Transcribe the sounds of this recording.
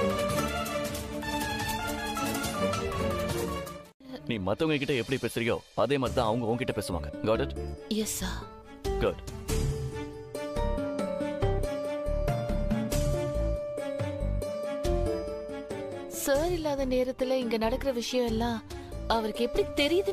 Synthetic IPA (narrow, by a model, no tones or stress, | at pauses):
niːmɐt̪ːɐŋɡɐk̬ːɪʈːɐɛpːɐɽipeːsɪɾɪjo̰ːɐðeːmaːd̪ɾit̪ãːɐʋɐŋɡɐoːŋkɪʈːɐpeːsɯʋa̰ːŋɡɐɡaːʈɪʈjɛsːaːɾ | ɡʊɖ | saːɾɪlːaːðɐneːɾɐt̪ːɪlɪŋɡɐnɐɽɐkːɯɾɐʋɪʂɐjɐ̃ɛlːãː | ɐʋɐɾɯkːɯɛpːɐɽit̪ɛɾɪjɐðɯ